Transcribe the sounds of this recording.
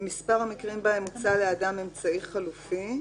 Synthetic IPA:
mispaʁamikʁimbaemut͡saleadame̞mt͡saiχalufi

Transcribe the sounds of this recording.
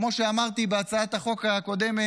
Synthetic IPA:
mo̞ʃeamaʁt̪ibeat͡saat̪aχo̞kaːko̞d̪e̞me

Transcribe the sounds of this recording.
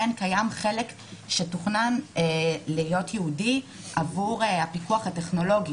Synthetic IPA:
enkajamχe̞lek | ʃetuχnan | lijo̞tjeudi | ʔavuʁhapikuaχateχno̞lo̞ɡi

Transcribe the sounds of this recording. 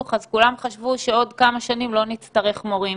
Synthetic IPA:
χazkulamχaʃvuʃeo̞dkamaʃanimlo̞nit͡st̪ɐʁe̞χmo̞ʁi

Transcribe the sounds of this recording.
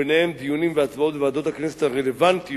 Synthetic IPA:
nehemd̪iunimveat͡smao̞t̪vead̪o̞t̪haknɛset̪aʁelevant̪i

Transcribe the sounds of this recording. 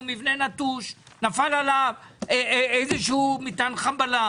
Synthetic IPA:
mivnenat̪uʃ | nafalalaveejzeʃeumit̪anχambala

